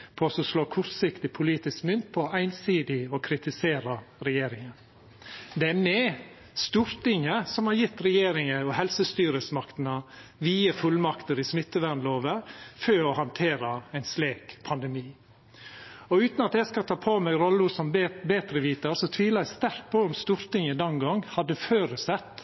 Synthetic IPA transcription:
pʰoːsɔsloːkʰʊɾt̪sɪkt̪ɪpʰʊliːt̪ɪskmʏnt̪̚pʰɔɔʔæɪnsiːd̪ɪɔkʰɾɪt̪ɪseːɾɑɾɛjeːɾɪŋən | d̪ɛæmɛ | st̪uɾt̪ɪŋəsɔmhɑɾjɪt̪ːɾɛjeːɾɪŋəɔɦɛlsəst̪yːɾəsmɑkt̪ənəʋiːəfʉlmɑkt̪əɾɪsmɪt̪ːəʋæɳloːʋəføːɔhɑnt̪ʰeːɾɑæɪnsleːkpʰɑnd̪ɛmiː | ɔʉːt̪nɑt̪jæskɑt̪ʰɑːpʰoːmɛɡɾɔlːəusɔmbeːt̪ɾəʋiːt̪əɾsɔt̪ʰʋiːləst̪æɾk̪̚pʰoːɔmst̪uɾt̪ɪŋəd̪ɛnɡɔŋhɑd̪ːəføːɾəsɛt̪ː

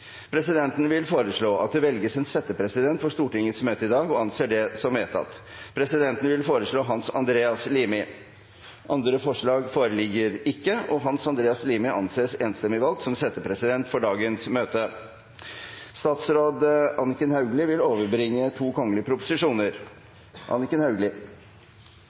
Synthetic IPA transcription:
pʰɾɛsɪd̪ɛnt̪n̩ʋɪlfoːɾəʂɭoːʔɑt̪̚d̪ɛʋɛlɡəsɛnsɛt̪ːəpʰɾɛsɪd̪ɛnt̪fɔʂt̪uːʈɪŋːət̪smøːt̪əɪd̪ɑːɡɔɑnseːɖɛsɔmʋeːt̪ʰɑ̰t̪ːpʰɾɛsɪd̪ɛnt̪ən̩ʋɪlfoːɾəʂɭoːɦɑnsɑ̰nd̪ɾeːɑsliːmɪ | ʔɑnd̪ɾəfɔʂɭɑːɡfoːɾəlɪɡːəɾɪkːəɔɦɑnsɑnd̪ɾeːɑsliːmɪʔɑ̰nseːseːnst̪ɛmɪʋɑlt̪sɔmsɛt̪ːəpʰɾɛsɪd̪ɛnt̪fɔɖɑːɡənsmøːt̪ə | st̪ɑːt̪sɾoːd̪ɑnɪkənhɑʉɡlɪʋɪloːʋəɾbɾɪŋːət̪ʰuːkʰɔŋːəlɪəpʰɾʊpʊ̥sɪʂuːnəɾ | ʔɑ̰nɪkənhɑʉɡlɪ

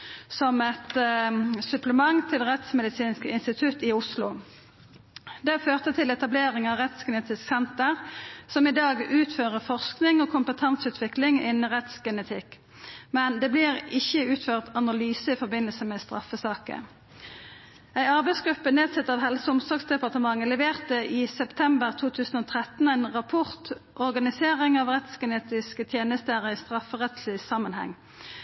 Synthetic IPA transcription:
sɔmɛt̪ | sʉpləmɑŋt̪ʰɪlʁɛt̪smɛd̪ɪsiːnskəɪnst̪ɪt̪ʰʉt̪ːɪʊslʊ | d̪ɛføːʁt̪ət̪ʰɪlɛt̪ɑbleːʁɪŋɑʁɛt̪sɡɛnət̪ʰɪsɛnt̪əʁsɔmɪd̪ɑːɡʉːt̪føːʁəfɔʁsknɪŋoːkʰʊmpət̪ʰɑnsʉːt̪ʰʋɪklɪŋɪnːəʁɛt̪sɡɛnət̪ʰɪk | mɛnd̪ɛbliʁɪçːəʉːt̪føːʁt̪ɑnɑlyːsəɪfɔʁbɪnːəlsəmɛst̪ʁɑ̰fəsɑːkə̰ | æɪɑʁbæɪsɡʁʉpːəneːd̪sɛt̪ːɑʋhɛlsəʊmsɔʁksd̪ɛpɑʁt̪əmɑŋːəlɛʋeːʁt̪əʔɪsɛpt̪ʰɛmbəʁt̪ʰuːt̪ʰʉːsən̩ɔːt̪ʰʁɛt̪næɪnʁɑpʰɔʁt̪ʔɔʁɡɑnɪseːʁɪŋɑʋʁɛt̪sɡəneːt̪ɪskət̪ʰjeːnəst̪əʁəɪst̪ʁɑfəʁɛt̪lɪsɑmːənhɛ̰ŋː

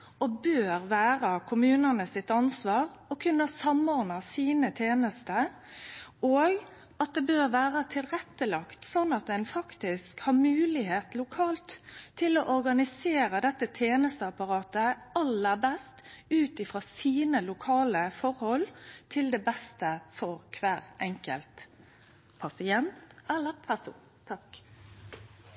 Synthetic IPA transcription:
ɔbøːɾʋæːɾɑkʰʊmʉːnənəsɪt̪ɑnsʋɑːʁɔkʰʉnːəsɑmɔːɾnɑsiːnət̪ʰjeːnəst̪ə | oːɡ | ɑt̪̚d̪ɛbøːɾʋæːɾət̪ʰɪlɾɛt̪ːəlɑkt̪sɔnːɑt̪̚d̪ɛnfɑkt̪ɪskhɑɾmʉːlɪɦeːt̪lʊkʰɑːlt̪ʰːɪlɔʔɔɾɡɑnɪseːɾəd̪ɛt̪ːət̪ʰeːnəst̪əɑpɑɾɑːt̪əɑlːəɾbɛst̪ʉːt̪ɪfʁɑːsiːnəlʊkʰɑːləfɔɾhɔlt̪ʰɪld̪ɛbɛst̪əfɔɾkʰʋæːʁɛŋkə̰lt̪ | pʰɑsɪɛnt̪ɛlːəɾpʰæʁsṵːnt̪ʰɑk

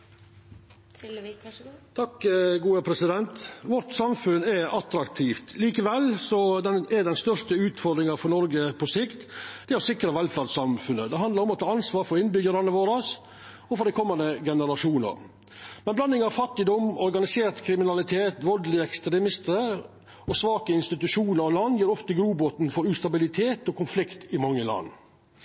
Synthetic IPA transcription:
t̪ʰɑkɡuːəpʰɾɛsɪd̪ɛnt̪ʋɔʈsɑmfʉnɛɑt̪ɾɑkt̪ʰiːft̪ʰliːkəʋɛlːsɔd̪ɛnɛɖ̪ɛnst̪œʂʈəʉːt̪fɔɾd̪ɾɪŋɑfɔɾnɔɾɡəpʰɔsɪkt̪d̪̥ɛæɾɔsɪkɾəʋɛlfæsɑmfʉnːəd̪ɛɦɑnd̪lɑɾɔmɔt̪ʰɑːɑnsʋɑːɾfɔɾɪnbʏɡəɾɑnəʋoːɾɑs | ɔfɔɾɖ̪ɛɪkʰɔmːɑnd̪əɡɛnəɾɑʂuːnə̰ɾ | mɛnblɑnd̪ɪŋɑʋfɑt̪ːɪd̪ɔmɔɾɡɑnɪseːɾt̪kʰɾɪmɪnɑlɪt̪ʰeːt̪ʋɔld̪lɪɛkst̪ɾɛmɪst̪əɾə | ɔsʋɑːkəɪnst̪ɪt̪ʉʂuːnəɾɑʋlɑnd̪jiːɾɔft̪əɡɾuːbot̪n̩fɔɾʉːst̪ɑbɪlɪt̪ʰeːt̪ɔkʰʊnflɪkt̪ɪmɑŋːəlɑ̰nː

